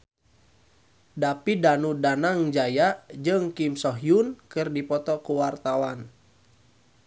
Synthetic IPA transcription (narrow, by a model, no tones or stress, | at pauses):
dapidanudanaŋd͡ʒajad͡ʒɨŋkimsɔɦjunkɨrdipɔt̪ɔkuwart̪awan